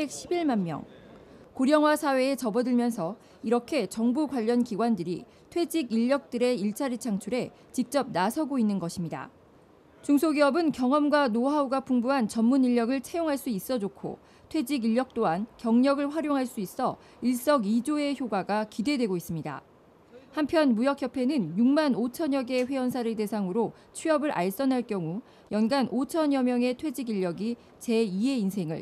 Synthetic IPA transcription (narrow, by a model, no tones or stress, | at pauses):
bek̚ɕʰibiɭmanmjʌ̰ŋ | koɾjʌŋɦwasʰawe̞ːt͡ɕʌbʌdɯɭmjʌnsʰʌ | iɾʌkʰe̞t͡ɕʌŋbuɡwaʎːʌnkiɡwandɯɾi | tʰwe̞d͡ʑiɡiʎːʌk̚t͈ɯɾe̞iɭt͡ɕʰaɾit͡ɕʰaŋt͡ɕʰuɾe̞ | t͡ɕik̚t͡ɕ͈ʌp̚nasʰʌɡoinːɯnɡʌɕʰimɲida̰ | t͡ɕuŋsʰoɡiʌbɯnkjʌŋʌmɡwanoɦauɡapʰuŋbuɦant͡ɕʌmːuniʎːʌɡɯɭt͡ɕʰejoŋɦaɭs͈uis͈ʌd͡ʑokʰo̰ | tʰwe̞d͡ʑiɡiʎːʌk̚t͈oɦankjʌŋɲʌɡɯɭɸwaɾjoŋɦaɭs͈uis͈ʌ | iɭs͈ʌɡid͡ʑoe̞çjoɡaɡakidedwe̞ɡois͈ɯmɲida̰ | hampʰjʌnmujʌk̚ʰçjʌpʰe̞nɯnjuŋmanot͡ɕʰʌɲʌɡe̞ɸwe̞ʌnsʰaɾɯde̞sʰaŋɯɾo | t͡ɕʰɥiʌbɯɾʔa̰ɭs͈ʌnɦaɭk͈jʌŋu | jʌnɡanʔot͡ɕʰʌɲjʌmjʌŋe̞tʰwe̞d͡ʑiɡiʎːʌɡi | t͡ɕe̞ie̞insʰe̞ŋɯ̰ɭ